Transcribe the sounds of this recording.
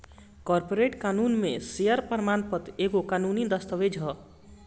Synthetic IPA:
kʌrpoɾeʈkanunmesejʌrprmanpʌt̪ekokanunid̪ʌst̪ʌʋed͡zʱʌ

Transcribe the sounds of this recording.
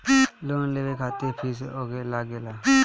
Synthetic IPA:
loːnleːʋekʰaːt̪epʰiːsoːɡelaːɡelaː

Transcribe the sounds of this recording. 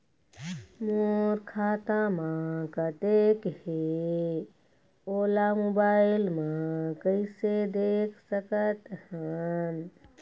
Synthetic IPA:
moɾkʰaːt̪ãmãkət̪eːkɦe | oːlamobaːɪlmãkəɪsed̪eːkʰsəkət̪hən

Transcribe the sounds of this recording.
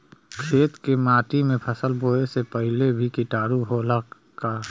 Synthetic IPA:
kʰeːt̪kemaːʈimẽpʰəsəlboːesepəɦlebʱikiʈaːɾuɦoːla | ka

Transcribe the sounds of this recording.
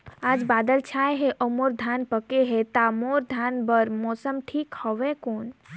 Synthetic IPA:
aːd͡ʒbaːd̪əlt͡ʃʰajɦeʔəmoɾd̪ʱanpəkeɦet̪amoɾd̪ʱanbəɾmɔːsəmʈʰiːkhɔʋekoːn

